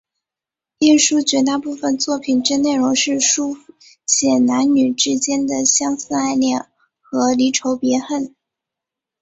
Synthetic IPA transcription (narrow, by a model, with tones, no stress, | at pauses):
i˥˩nʂu˥t͡ɕɥɛ˧˥t̪a˥˧pu˥˩fə˩nt͡swɔ˥˩pʰi˨˩nʈ͡ʂɻ̩˥ne˥˩ɪɻo˧˥ŋʂɻ̩˥˩˧ʂu˥˩ | ɕjɛ˨˩na˧˥nny˨˩ʈ͡ʂɻ̩˥t͡ɕjɛ˥nd̪ə˨ɕjɑ˥ŋsɹ̩˥˧a˥˧ɪljɑ˥˩ŋ | xɤ˧˥li˧˥ʈ͡ʂʰo˧˥ʊpjɛ˧˥xə˥˩n